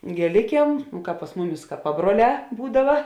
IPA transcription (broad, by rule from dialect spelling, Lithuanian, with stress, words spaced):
ɡʲeːˈlʲɪkʲiɛm ˈkɑːp pɐs ˈmʊˌmʲɪs kɐ ˈpɑːbruɔˌlʲɛː ˈbuːdɐʋɐ